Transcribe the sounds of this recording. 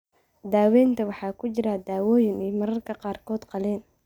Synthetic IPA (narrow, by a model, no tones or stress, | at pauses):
d̪aːwɛːnt̪ʰɐwɑħɑːkʰʊt͡ʃɪɾaːd̪aːwɔːjɪnɛjmɐɾɐrkʰɐqɑːrkʰɔːd̪qɑlɛːn